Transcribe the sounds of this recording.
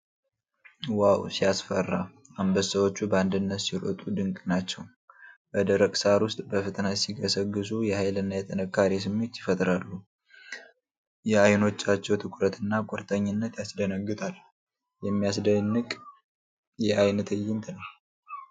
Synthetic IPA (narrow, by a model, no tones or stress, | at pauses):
wawsijasfərːa | ambəsəwo̞t͡ʃːubəand̪ɨnːət̪siɾə̰t̪ʼud̪ɨŋkʼnat͡ʃːɛw | bəd̪əɾəkʼsaɾwʊst̪ʼbəfət̪ʼənasiɡəsəɡːɨsujɛhajlɨnːajɛt̪ʼənəkːaɾis̬ɨmːet̪ːjɪfət̪ʼɾalːu | jɛajno̞t͡ʃːat͡ʃːɛwt̪ʰɨkʼɾət̪ʰɨnːakʼɔɾt̪ʼəɲːɪnːət̪jasd̪ənəɡːɨt̪ʰʼal | jɛmːijasd̪ənːɨkʼ | jɛajnət̪ʰɨjːɪnt̪ʰɨnal